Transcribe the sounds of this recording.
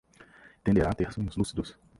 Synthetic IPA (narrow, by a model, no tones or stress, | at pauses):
t̪ẽnd̪eɾãt̪ehsũʊzlusid̪ʊs